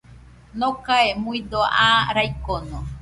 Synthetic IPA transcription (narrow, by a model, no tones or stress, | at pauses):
nokaemuĩd̪oaɾajkono